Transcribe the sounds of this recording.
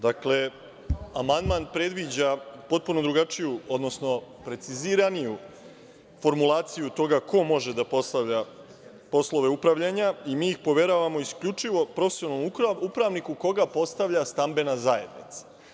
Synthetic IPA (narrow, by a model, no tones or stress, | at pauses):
d̪akle̞ | amand̪maːnpɾe̞d̪ʋid͡ʑapo̞t̪̚puno̞d̪ɾuɡat͡ʂijuo̞d̪no̞sno̞pɾe̞t̪siziɾaniju | fo̞ɾmulˠaːt̪sijut̪o̞ɡako̞mo̞ʒe̞d̪apo̞st̪aʋʎa | po̞slˠo̞ʋe̞upɾaʋʎaɲaimiːixpo̞ʋe̞ɾaʋamo̞iskʎut͡ʂiʋopɾo̞fesionomuupɾaʋnikuko̞ɡapo̞st̪aʋʎast̪ambe̞nazaje̞̰d̪nḭt̪sḁ